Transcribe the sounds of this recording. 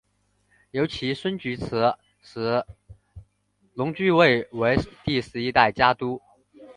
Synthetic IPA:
jo˧˥ʊt͡ɕʰi˧˥ʂwə˥nt͡ɕy˧˥t͡s̩ʰ˧˥ | ʂɻ̩˧˥ | lʊ˧˥ŋt͡ɕy˥˧we˥˩ɪwe˧˥ɪt̪i˥˧ʂɻ̩˥˩i˥t̪a˥˩ɪt͡ɕja˥t̪u˥

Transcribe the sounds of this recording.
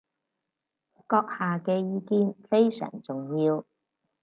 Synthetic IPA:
kɔː˧k̚haː˨kɛː˧jiː˨˧kiː˧˥nfe˥jsœ̰ː˨˩ŋt͡sʊ˨ŋjiː˧w

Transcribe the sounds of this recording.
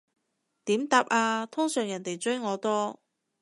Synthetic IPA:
t̪iː˨˥mt̪aː˨˥p̚aː˧t̪ʰʊ˥ŋsœː˨˩ŋjɐ˨˩nt̪e˨˩jt͡sɵ˥jŋɔː˨˧t̪ɔː˥

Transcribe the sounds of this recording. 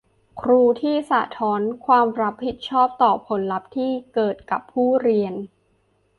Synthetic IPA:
kʰɾuː˧t̪ʰiː˥˩sa̰˨˩t̪ʰɔː˦˥nkʰwaː˧mɾa˦˥pʰːi˨˩t̪̚t͡ɕʰɔː˥˩p̚t̪ɔː˨˩pʰo˩˦nla˦˥p̚t̪ʰiː˥˩kɤː˨˩t̪̚ka˨˩pʰːuː˥˩ɾi˧ən

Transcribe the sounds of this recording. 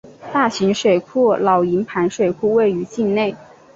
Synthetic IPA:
t̪a˥˩ɕi˧˥ŋʂwe˨˩ɪkʰu˥˩lɑ˨˩ʊi˧˥npʰa˧˥nʂwe˨˩ɪkʰu˥˧we˥˩ɪy˧˥t͡ɕi˥˧nne˥˩ɪ

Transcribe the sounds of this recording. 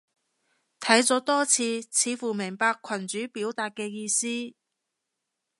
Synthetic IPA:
t̪ʰɐ˨˥jt͡sɔː˨˥t̪ɔː˥t͡sʰiː˧t͡sʰiː˨˧fuː˨˩mɪ˨˩ŋpaː˧kʷʰɐ˨˩nt͡syː˨˥piː˨˥wt̪aː˨t̚kɛː˧jiː˧siː˥

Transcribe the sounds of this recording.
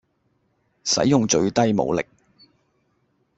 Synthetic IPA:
sɐ̰˨˥jːʊ˨ŋt͡ʃɵ˧ɥt̪ɐ˥jmo̰˨˧wlɪ̰˨k̚

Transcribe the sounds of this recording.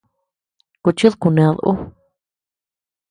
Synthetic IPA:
ku˧t͡ʃi˦ðku˧nẽ˧ðʔṵ˦

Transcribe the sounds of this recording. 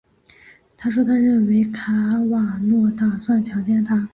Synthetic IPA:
t̪ʰa˥ʂwɔ˥t̪ʰa˥ɻə˥˩nwe˧˥ɪkʰa˧˥wa˨˩nwɔ˥˧t̪a˥˩swa˥˩nt͡ɕʰjɑ˧˥ŋt͡ɕjɛ˥nt̪ʰa˥

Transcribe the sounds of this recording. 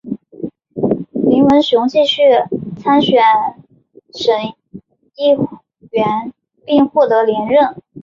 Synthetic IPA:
li˧˥ŋwə˧˥nɕʊ˧˥ŋt͡ɕi˥˧ɕy˥˩t͡sʰa˥nɕɥɛ˨˩n | ʂə˧˥n | i˥˩ | ɥɛ˧˥n | pi˥˧ŋxwɔ˥˩t̪ɤ˧˥ljɛ˧˥nɻə˥˩n

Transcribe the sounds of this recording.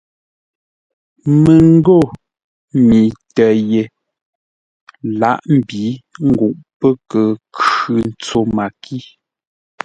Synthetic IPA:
mə˨ŋ̩˦ɡo˦˨ | mi˨tə˨je˨ | la˦ʔm̩˦˨bi˨˦ŋ̩˦ɡu˨ʔpə˦kə˨kʉ˨n̩˨t͡so˨ma˨ki˦

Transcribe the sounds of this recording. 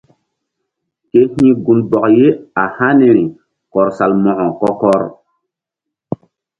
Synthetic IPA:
ke˦hĩ˦ɡu˦nbɔ˨kje˦a˨hã˦ne˦ɾi˨ | kɔ˨ɾsa˨lmɔ̃˨ʔɔ̃˨kɔ˦kɔ˦ɾ

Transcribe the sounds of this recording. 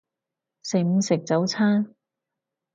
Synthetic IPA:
se˨jm̩˧sɪ˨k̚t͡sɐ˨˥wt͡sʰaː˥

